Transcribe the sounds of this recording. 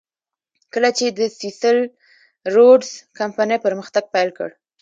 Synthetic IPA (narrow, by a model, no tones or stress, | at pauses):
kəlat͡ʃed̪əsisəl | ɾoɖz̥kampanəjpəɾməxt̪aɡ̚pajlkə̰ɽ